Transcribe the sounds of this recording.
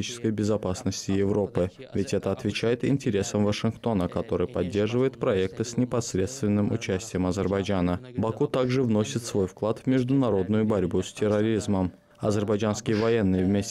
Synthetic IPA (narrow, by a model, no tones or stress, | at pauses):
it͡ɕɪ̥skəjbʲɪzɐpasnəsʲtʲɪjɪvɾo̞pɨ | vʲɪtʲɛt̪əɐt̪vʲɪt͡ɕæjɪt̪ɪ̰nʲtʲɪɾʲe̞səmvəʂɨnkt̪o̞nəkɐt̪o̞ɾɨjpɐdʲːe̞rʐɨvəjɪt̪pɾɐɛk̚t̪ɨsʲnʲɪpɐsɾʲe̞t̪st̪vʲɪnːɨmʊt͡ɕæsʲtʲɪjəmɐzʲɪrbɐjd͡ʒanəbɐkut̪aɡʐɨvno̞sʲɪt̪svo̞jfklˠat̪vmʲɪʐd̪ʊnɐɾo̞d̪nʊjʊbɐɾʲbusʲtʲɪrɐɾʲizməm | ɐzʲɪrbɐjd͡ʒanskʲɪjəvɐje̞nːɨjəvmʲesʲ